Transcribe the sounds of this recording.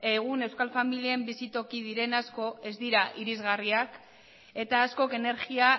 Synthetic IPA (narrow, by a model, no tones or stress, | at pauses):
e̞ɣune̞wskalfamiliembisit̪o̞kið̞iɾe̞nasko̞e̞zd̪iɾaʔiɾizɣariak | e̞t̪aːsko̞ke̞ne̞ɾɣia